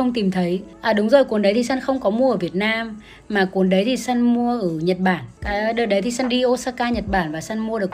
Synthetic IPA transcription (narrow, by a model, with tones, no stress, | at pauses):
ə˧wŋ͡mt̪i˨˩mt̪ʰə˨˦jʔəː˨˩ɗʊ˨˦ŋ͡mzo˨˩jku˨˦nɗə˨˦jt̪ʰi˨˩sa˧nxə˧wŋ͡mkɔ˨˦mu˧əʔəː˧˩vi˨˩ət̚naː˧mː | aː˨˩ku˨˦ənɗə˨˦jt̪ʰi˨˩sa˧nmu˧əʔəː˧˩ɲə˨˩t̚ɓaː˧˩nka˨˦ɗəː˧˩ɗə˨˦jt̪ʰi˨˩sa˧nɗi˧ʔo˧saː˧kaː˧ɲə˨˩t̚ɓaː˧˩nvaː˨˩sa˧nmu˧əɗɨ˨˩ək̚